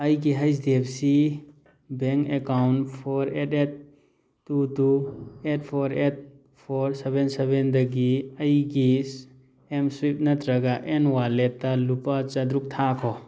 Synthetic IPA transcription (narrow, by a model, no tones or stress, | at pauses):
ɐjɡ̬iɦɐjs̬d̪ebsi | beŋkekawnpʰɔɾetet̪̚ː | ut̪uet̚pʰɔɾet̪̚ | pʰɔɾsebensebend̪əɡiɐjɡis | emsuip̚nɐt̪ɾɐɡaʔenwalet̪alupat͡ʃɐd̪ɾuk̚t̪ʰakʰɔ